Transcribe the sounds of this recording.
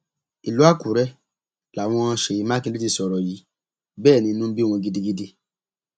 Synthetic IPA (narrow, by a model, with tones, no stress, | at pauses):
i˨lu˨˦a˦˨ku˨˦ɾɛ˦ | la˨w̃ɔ̃˧ã˧ʃe˨ji˨˦mã˦kĩ˦˧˦i˦i˦˧˨sɔ˨ɾɔ˨ji˨˦ | bɛː˦˨nĩ˧˦nũ˦bi˦˨w̃ɔ̃˧ɡi˦di˧ɡi˧de˧